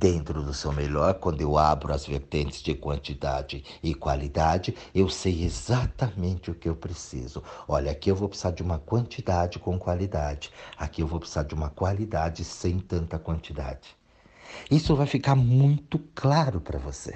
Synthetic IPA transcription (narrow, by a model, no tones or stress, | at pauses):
d̪̥ẽnt̪ɾʊd̪ʊsewmeʎɔɾkwɐ̃nd̪ʊewabɾʊɐzveɾt̪ẽnt͡ʃɪ̥zd͡ʒɪkwɐ̃nt͡ʃid̪ad͡ʒɪɪkwa̰lid̪ad͡ʒɪ | ewsejezat̪ɐmẽnt͡ʃɪʊkɪewpɾesḭzʊɔʎɐakiewvowpḁsaɾd͡ʒɪũmɐkwɐ̃nt͡ʃid̪ad͡ʒɪkõw̃kwalid̪ad͡ʒɪakiewvowpḁsaɾd͡ʒɪũmɐkwalid̪ad͡ʒɪsẽj̃t̪ɐ̃nt̪ɐkwɐ̃nt͡ʃid̪a̰d͡ʒɪ̥ | isʊvajfikaɾmũj̃t̪ʊklaɾʊpɾɐvosḛ